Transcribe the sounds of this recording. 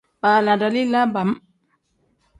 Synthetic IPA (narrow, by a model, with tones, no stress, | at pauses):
ba˨la˨da˨li˦la˦ba˨m